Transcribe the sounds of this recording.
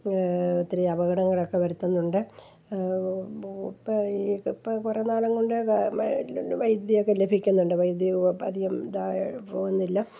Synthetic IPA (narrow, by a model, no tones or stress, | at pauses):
t̪ːiɾɐjɐbɐɣɐɽɐŋːɐɭo̞kːe̞ʋɐɾut̪ːɐnːuɳɖɨ | ikpːkurenaːɭɐŋɡoɳɖɨ | ʋɐjd̪jɐjo̞kːelebʱikʲːunːuɳɖɨʋɐjd̪jɐɐ̰d̪iɣɐmd̪apoːunːilːɐ